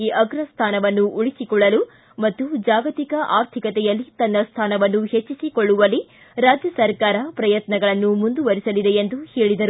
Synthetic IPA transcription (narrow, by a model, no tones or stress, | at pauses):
iʔɐɡɾɐst̪ʰaːnɐʋɐnːuʔuɭisikɔɭːɐlu | mɐt̪ːud͡ʒaːɡɐt̪ikɐʔaːɾt̪ʰikɐt̪ɛjɐlːit̪ɐnːɐst̪ʰaːnɐʋɐnːuhet͡ʃːisikɔɭːuʋɐli | ɾaːd͡ʒjɐsɐɾkaːɾɐpɾɐjɐt̪nɐɡɐɭɐnːumund̪uʋɐɾisɐlid̪e̞end̪uheːɭid̪ɐɾu